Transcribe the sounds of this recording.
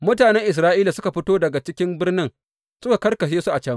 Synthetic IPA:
mʊ˦taː˨nɛ˦ŋʔɪ˨s̬ɾaː˦ʔiː˦la˨sʊ˦ka˨ɸɪ˦toː˦dɐ˨ɡa˨t͡ʃɪ˦kʲɪ˦mbɪ˦rnɪ˦ŋ | sʊ˦ka˨kɐ˦rkɐ˨ʃeː˦su˦ʔa˨t͡ʃaː˦

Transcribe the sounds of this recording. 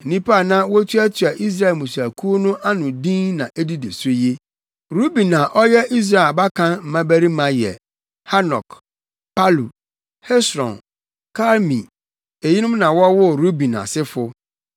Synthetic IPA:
n̩˨nĩ˦pʰa˦˨nã˦wɔ˦tʰu˦æ˦tʰi˨a˨ʔi˦s̬ɾa˦˨mũ˨s̬u˨æ˨kʰu˦o˦nʊ̃˦ʔa˦nʊ̃˨dĩ˦nnã˨ʔe˦di˦de˨so˦je˦ | ɾu˦bĩ˨nã˨ʔɔ˦jɛ˦ʔi˦s̬ɾa˦˨ba˦kʰã˦m̩˨mã˦bæ˦ɾi˦mã˨jɛ̰˨ | ha˦nɔ̰˨k | pa˦lu˨ | hɛ˦sɾɔ̰̃˨n | kʰa˦lmḭ̃˨ | e˨ji˦nʊ̃˦mnã˨wɔ˦wʊ˦ɾu˦bĩ˨na̰˨sɪ˦fʊ˦

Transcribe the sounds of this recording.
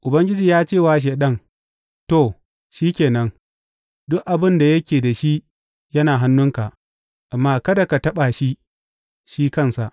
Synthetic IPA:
ʔʊ˨bɐ˦ŋɡʲɪ˦d͡ʒiː˨jaː˦t͡ʃeː˦˨waː˨ʃ̬eː˨ɗɐ˦n | to˦˨ | ʃiː˦kʲeː˨nɐ˦n | dʊ˦ʔʔa˨bɪ˦nda˨jɐ˦kʲeː˨da˨ʃi˦ | jɐ˦naː˨ɦa˦nːʊ˦ŋka˨ | ʔa˨mːaː˦kɐ˦da˨ka˨tɐ˦ɓa˨ʃi˦ | ʃiː˦kɐ˦nsa˨ʔ

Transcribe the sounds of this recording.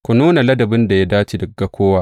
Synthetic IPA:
kʷu˨nuː˦na˨lɐ˦dɐ˨bɪ˦nda˨ja˦daː˦t͡ʃi˨dɐ˨ɡːa˦kʷʰoː˦waː˦ʔ

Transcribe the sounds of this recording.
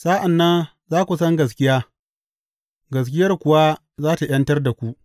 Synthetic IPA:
sa˦ʔa˨nːɐ˦n | zaː˦kʷu˨sɐ˦ŋɡɐ˨s̬kʲɪ˦jaː˦ | ɡɐ˨s̬kʲɪ˦jɐ˦rkʷʊ˨wa˦ | zaː˦ta˨j̰ɐ˦ntɐ˦rda˨kʷu˦ʔ

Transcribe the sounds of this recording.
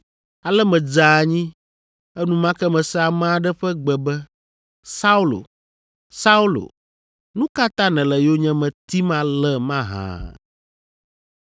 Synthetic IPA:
a˨lɛ˦mɛ̃˨d͡ʒa˨ɲĩ˦ | ɛ˦nũ˨mã˦kɛ˦mɛ̃˨sɛ˦a˨mã˦ɖɛ˦ɸɛ˦ɡ͡bɛ˨bɛ˦ | sa˦u˦lo̰˨ | sa˦u˦lo̰˨ | nũ˦ka˦t̪ã˦nɛ̃˨lɛ˨jo˦ɲɛ̃˦mɛ̃˨t̪i˦mã˦lɛ˦mã˦ɦã̰˨

